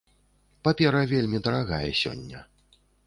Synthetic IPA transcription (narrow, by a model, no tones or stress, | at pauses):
papʲɛɾɐvʲelʲmʲid̪ɐɾaɣajɛsʲɔ̰nʲːɐ